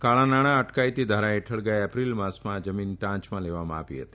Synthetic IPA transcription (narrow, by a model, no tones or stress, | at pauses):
kaɭãnaɽ̃ãəʈkait̪id̪ʱaɾaeʈʰəɭɡajɛpɾilmãsmãd͡ʒəminʈãt͡ʃmãleʋamã̰apḭɦə̰t̪i̥